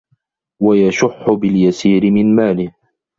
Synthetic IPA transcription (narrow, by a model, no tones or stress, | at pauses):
wajaʃʊħːʊbɪljasiːɾɪmɪnmaːlɪh